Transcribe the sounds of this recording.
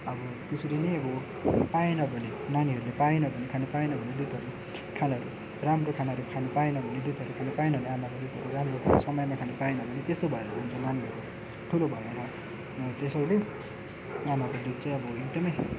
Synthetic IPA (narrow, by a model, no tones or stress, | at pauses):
ʌbʌ | t̪esuɾinʌjʌbʌ | paenʌbʱʌne | naniɦʌɾulepaenʌbʱʌnekʰanupaenʌbʱʌned̪ut̪ʌɾue | kʰanaɦʌɾu | ramrokʰanaʌɾukʰanʌpaenʌbʱʌned̪ut̪ɦʌɾukʰanopaenʌbʱʌneamakod̪ut̪ʌɾuramrosʌmʌjmakʰanupaenʌbʱʌnet̪est̪obʱʌeɾʌmant͡sʰʌnaniɦʌɾo | ʈʰulobʱʌjoɾʌ | t̪esʌwle | amakod̪ut̪̚t͡sʌj̃ʌbʌeɡ̚d̪ʌmʌj